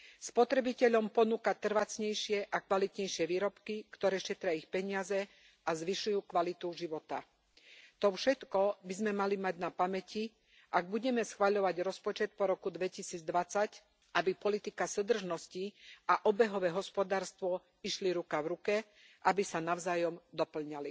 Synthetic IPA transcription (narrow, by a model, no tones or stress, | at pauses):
spɔt̪ɾɛbicɛʎɔmpɔnuːkat̪r̩ʋat͡sɲɛjʃɪɛʔakʋalit̪ɲɛjʃɪɛʋiːɾɔpkikt̪ɔɾɛːʃɛt̪ɾɪaixpɛɲɪazɛ | ʔazʋiʃujuːkʋalit̪uʒiʋɔt̪a̰ | t̪ɔfʃɛt̪kɔbizmɛmalimaɟnapamɛcʰi | ʔaɡ̚buɟɛmɛsxʋaʎɔʋaɟɾɔspɔt͡ʃɛt̪̚pɔɾɔkud̪ʋɛcisiːd͡zd̪ʋat͡sac | ʔabipɔlit̪ikasud̪r̩ʒnɔsciʔaʔɔbɛɦɔʋɛːɦɔspɔd̪aːɾst̪ʋɔ | iʃliɾukaʋɾukɛ | ʔabisanaʊzaːjɔmd̪ɔpl̩ɲali